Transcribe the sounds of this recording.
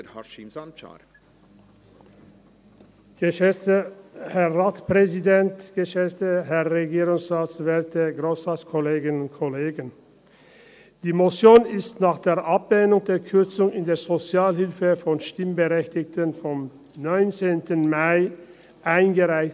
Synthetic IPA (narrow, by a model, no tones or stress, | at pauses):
ɡ̥əʃɛəhɛʁʁaːtpʁɛzidɛntɡ̥əʃɛtəɦɛʁʁeɡiːʁʊŋsʁaːsv̥ɛɐtəɡʁoːsʁaːskʰɔleːɡɪnʊnt̚kʰɔleːɡən | d̥iːmot͡sjoːnɪstnaːχd̥eːɐʔapleːnʊŋdeːɐkʰʏɐt͡sʊŋɪndeːɐzot͡sjaːlɦɪlfəfɔnʃtɪmbəʁɛçtɪçtənfɔm | nɔʏnt͡seːntənmaɪ | ʔaɪnɡəʁaɪç